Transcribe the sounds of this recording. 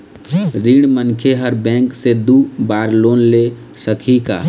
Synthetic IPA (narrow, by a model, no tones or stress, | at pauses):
ɾiɽ̃mənkʰeɦəɾbɛ̃ːksed̪ubaːɾloːnle | səkʰika̰ː